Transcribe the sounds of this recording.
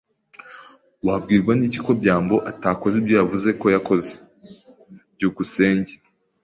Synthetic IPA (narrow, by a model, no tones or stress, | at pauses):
wabɡiːɾɡwaniːciko̞bɟaːmbo̞ʔataːko̞zibɟo̞javuze̞ko̞jako̞ze̥ | bɟuːkuse̞ːɲɟe